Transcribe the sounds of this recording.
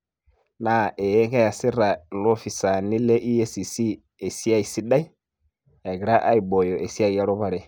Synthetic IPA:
na˨ʔɛ˨jɛ˦ŋɡa˦ja˨si˦ɾa˨lɔ˦fi˨sa˨ni˦lɛ˦ʔi˦je˦si˨si˦ | e˨si˦a˦i˨si˦ɗa˦i˦ | ja˨ɡi˨ɾa˦ʔa˦i˨bɔ˨jɔ˨ʔe˨si˦a˦i˨ja˦ɾɔ˦βa˨ɾɛ˦

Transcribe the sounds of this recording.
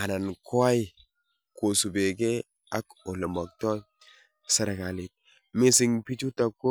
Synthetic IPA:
a˨na˨nko˦a˦i˦ | ko˨su˨be˨ɡe˦ | a˦ko˨le˨ma˨k̚to˦j | sa˨ɾa˨ka˨li˨ | me˦si˦ŋpi˦t͡ʃu˦ta˨kːo˦

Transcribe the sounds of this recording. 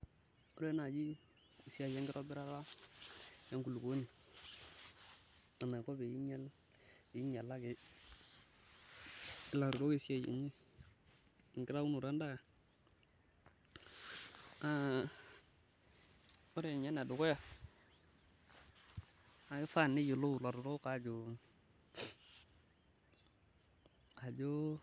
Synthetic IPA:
o˦ɾe˦na˨d͡ʒi˦ | i˨si˦a˨je˦ŋɡɪ˦ɾo˦bi˦ɾa˦ɾa˦ | ja˦ŋku˨lu˨ɡo˨˦ni˨ | a˨na˨ko˦be˨ji˦ɲa˦l | ji˦ɲa˨lːa˦ɡe˨ | i˦˨la˨ɾu˨ɾo˦ɡe˦˨si˦ja˨jḛ˨ɲi˦˨ | ŋɡi˦ɾa˦u˦nu˨ɾa˦nda˦ja˨ | a˨ | o˦ɾe˨ɲa˦na˨dʊ˨ko˦ja˨ | a˨kɪ˦fa˦˨nɪ˦ju˨lo˦˨la˨ɾʊ˨ɾo˦ka˨d͡ʒo˨ | a˨d͡ʒo˦

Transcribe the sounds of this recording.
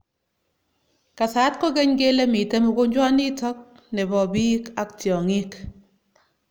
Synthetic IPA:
ka˨sa˨˦t̚ko˦ke˦ɲke˦le˦mi˨te˦mu˨ko˦ɲd͡ʒwa˦ni˦tɔ˦k̚ | ne˨bɔ˨bi˦ka˦k̚tjɔ˨ŋi˦k

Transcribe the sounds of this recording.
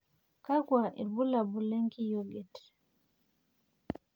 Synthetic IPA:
ka˦ɡwa˨ʔḭ˨bu˦la˨bu˨lɛ˦ŋki˦jɔ˨lɛ˨t

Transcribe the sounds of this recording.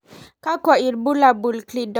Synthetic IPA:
ka˦kɔ˨i˨ɾbu˦la˨bu˨lkli˨dɔ˨

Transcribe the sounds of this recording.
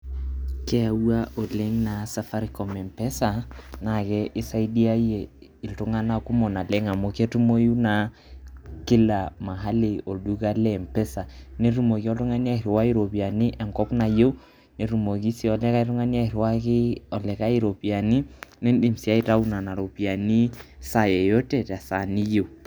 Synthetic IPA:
kɛ˦a˨wa˦ʔo˨le˦ŋna˨˦sa˦fa˦ɾi˦kɔ˨mɛ˨mpɛ˦sa˨na˨kɛ˦ʔɪ˦sa˦i˦di˦a˦je˨i˨ltu˨˦ŋa˦na˨ku˦mɔ˨na˨lɛ˦ŋa˨mo˨ke˦tu˦mo˦ju˦na˨ | kɪ˦la˨ma˨ɦa˦li˨o˨du˦ka˦lɛ˦˨mpɛ˦sa˨ne˦ɾu˦mo˨ki˦ɔ˦ltu˦ŋa˦ni˦a˦i˨ɾi˨wa˦i˦ɾo˨pi˨a˨ni˦ʔɛ˨ŋkɔ˦pna˨je˦w | ne˨ɾu˨mo˨ki˦si˦ɔ˨lɛ˦ka˦i˦ɾu˦ŋa˦ni˦a˦i˨ɾwa˦ki˦ɔ˨lɛ˨ka˦i˦ɾo˨pi˨a˨ni˦ne˦ndi˦˨msi˦a˦i˦ta˦u˦na˨na˨ɾo˨pi˨a˨ni˦sa˨jɛ˨jo˦tɛ˦˨ta˨sa˨ni˦je˨

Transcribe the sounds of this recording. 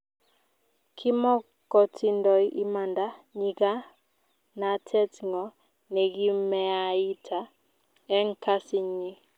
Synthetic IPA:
kʰɪ˦mɔ˦ | kɔ˨tʰi˦ndɔ˨i˦ʔi˦ma˨nda˦ɲi˨ɡa˦ | na˨tʰɛ˦tŋɔ˨ | nɛ˨ɡi˦mɛ˦a˨i˦tʰa˨˦ | ɛ˦ŋ̩˦˨kʰa˦sɪ˨ɲi˦

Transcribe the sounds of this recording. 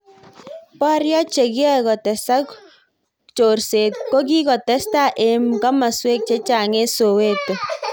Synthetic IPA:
pa˦ɾjɔ˦t͡ʃe˨kjɔ˦˨kɔ˨tɛ˨sa˦k | t͡ʃo˨rse˨tko˦k̬i˦kɔ˨tɛ˦sta˦˨ʔe˨mka˦ma˨swe˦k̚t͡ʃe˦t͡ʃa˨ŋe˦so˨we˦k̚to˨

